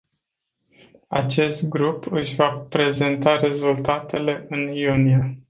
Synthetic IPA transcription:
at͡ʃe̞st̪ɡɾupɨʃʲvapɾe̞ze̞nt̪aɾe̞zult̪at̪e̞le̞ʔɨnijunia

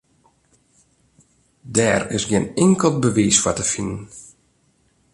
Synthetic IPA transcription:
dɛːrɪ̰sɡjɪnɪŋkəl̚ˠbəʋiːsfwatəfinən

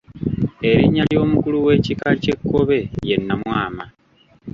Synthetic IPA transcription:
e̞βiɲːaljo̞ːmukuluwe̞ːcikace̞kːo̞βe̞je̞nːamwaːma

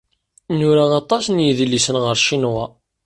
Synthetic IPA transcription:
nʊɾaɑt̪ˤɑsnjiðlːisənʁəɾʃinʁa

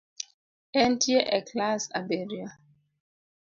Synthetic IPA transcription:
ɛntʰieʔɛkʰlasa̰beɾia

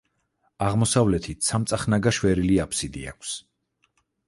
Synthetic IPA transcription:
aʁmɔsavlɛt̪ʰit̪ʰsʰamt̪sʼaχnaɡaʃwɛɾiliapʰsid̪ḭa̰kʷʰs

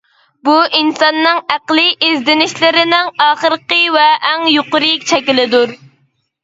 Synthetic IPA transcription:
buʔinsɑnːɨŋæqlˠiʔɪzd̪ɪnɪʃlɪɾɪnɪŋɑːχəɾqəvɛʔːŋjoqʊɾɨk̚ʲt͡ʃʰɛkʲilɪd̪uɾ

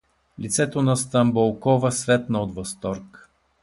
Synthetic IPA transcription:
lit̪sɛt̪onɐst̪ɐmbolˠkɔvəsvɛt̪nɐod̪vɐst̪ɔɾk

